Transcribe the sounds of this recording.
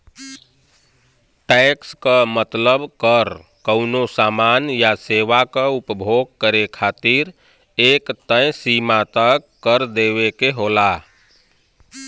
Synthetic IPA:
ʈɛkskəmət̪ləbʱkəɾ | kəʊnosamanjaseʋakəupbʱoɡ̚kəɾekʰat̪iɾ | ekt̪ə̃j̃simat̪ək | kːəɾd̪eʋekeɦola

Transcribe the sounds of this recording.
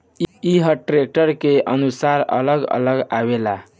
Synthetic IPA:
iɦəʈɾek̚ʈəɾkeʔənusaɾə̰ləɡə̰ləɡa̰bela

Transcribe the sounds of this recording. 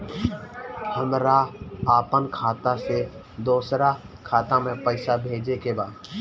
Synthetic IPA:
həmɾaaːpənkʰaːt̪ase | d̪oːsɾa | kʰaːt̪amẽpəɪsabʱeːd͡ʒekebaː

